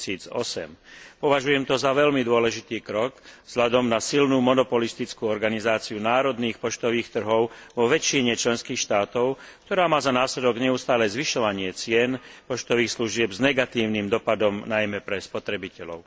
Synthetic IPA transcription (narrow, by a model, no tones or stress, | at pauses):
iːd͡zɔ̰sɛ̰mpɔʋaʒujɛmt̪ɔzaʋɛlmid̪ʊɔlɛʒit̪iːkɾɔɡvz̥ɦʎad̪ɔmnasilnuːmɔnɔpɔlist̪it͡skuːɔɾɡanizaːt͡siunaːɾɔd̪niːxpɔt͡ʃt̪ɔʋiːxt̪r̩ɦɔʊʋɔʋɛt͡ʃiɲɛt͡ʃlɛnskiːxʃt̪aːt̪ɔʊk̚t̪ɔɾaːmaːzanaːslɛd̪ɔɡɲɛust̪aːlɛzʋiʃɔʋaɲɪɛt͡sɪɛnpɔt͡ʃt̪ɔʋiːxsluʒɪɛbznɛɡat̪iːʊniːmd̪ɔpad̪ɔmnajmɛpɾɛspɔt̪ɾɛbicɛlɔ̰ʊ